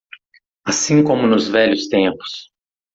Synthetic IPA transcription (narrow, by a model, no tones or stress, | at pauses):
asĩŋkõmʊnʊzvɛʎʊst̪ẽpʊ̥s